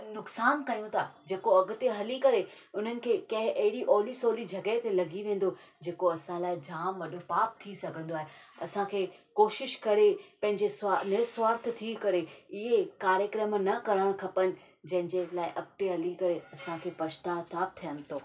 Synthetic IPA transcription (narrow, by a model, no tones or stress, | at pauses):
nʊksaːnkɐjũt̪ʰaːd͡ʑeːkoɐɡʊ̆t̪eɦɐlikɐɾe | ʊn̤ənɪ̆kʰeːkɐ̃ɦɪ̃ʔɐɦɪɽiʔɔːlisoːlid͡ʑʱɐɡət̪elɐɡiʋẽːn̆d̪o | d͡ʑeːkoɐsãlaːɪd͡ʑaːmʋɐɗʱopaːp̚t̪ʰisɐɡʱə̃nd̪oaːɦeɐ̰sãkʰeːkoːʃɪʃkɐɾepɐ̃ɦɪ̃ɲd͡ʑesanɪɾswaːɾt̪̆ʰt̪ʰikɐɾeɪɦekaːɾjəkɾəmnɐkɐɽaːɽ̃kʰɐpənɪ̆ | d͡ʑɐ̃ɦɪ̃ɲd͡ʑelaːɪʔɐɡt̪eɦɐlikɐɾeɐsãkʰeːpɐʃt̪aːɦt̪ʰaːp̚t̪ʰijənɪ̆t̪ʰoː